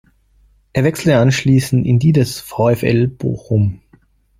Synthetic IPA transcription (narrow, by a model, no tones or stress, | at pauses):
ʔeːɐvɛksl̩əanʃliːsn̩tɪndiːdɛsfaʊɛfɛ̰lb̥o̰ːxʊm